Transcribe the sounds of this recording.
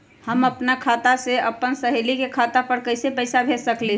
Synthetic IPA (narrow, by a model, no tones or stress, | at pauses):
həməpnakʰaːt̪aseəpənsəɦelikekʰat̪apəɾkəɪsepəɪsabʱesəkle